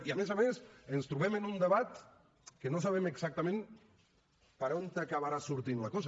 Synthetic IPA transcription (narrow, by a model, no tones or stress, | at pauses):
iamezamesənst̪ɾuβɛmənund̪əβat̪ | kənos̬aβɛməɡzak̚t̪əmẽn | pəɾont̪akaβaɾasuɾt̪inləkɔz